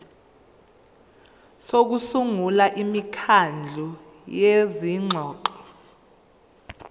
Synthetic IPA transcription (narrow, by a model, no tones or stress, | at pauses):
sok̬usuŋulaʔimikʰand͡ɮʱu | jeziŋ͡ǁʱɔːǃɔ